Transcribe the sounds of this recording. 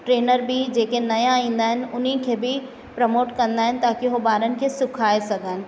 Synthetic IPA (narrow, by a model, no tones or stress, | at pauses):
ʈɾeːnəɾbɪd͡ʑeːkenɐjãaːĩːnd̪aːɦɪnɪ̆ʊn̤ikʰeːbɪ | pɾɐmoːʈkɐ̃nd̪aːɦɪnɪ̆t̪aːkiɦobaːɾənɪ̆kʰesʊkʰaːesɐɡʱəːɦɪnɪ̆